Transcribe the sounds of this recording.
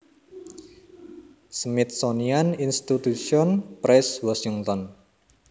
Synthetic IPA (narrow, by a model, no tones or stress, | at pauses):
smɪt̪̚sonianinst̪it̪usiɔnpɾɛswɔsiŋt̪ɔn